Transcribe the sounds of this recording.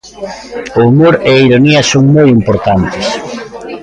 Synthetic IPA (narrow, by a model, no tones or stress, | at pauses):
oːmoɾeiɾoniɐsoŋmojimpoɾt̪ant̪ɪs